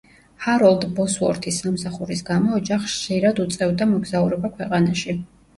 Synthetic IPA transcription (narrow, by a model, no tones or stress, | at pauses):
haɾɔlˠd̪bɔsuɔ̰ɾt̪ʰisːamsaχuɾisɡamɔːd͡ʒaχʃʃiɾad̪ut̪sʼɛvd̪amɔɡzauɾɛbakʰwɛqʼanaʃi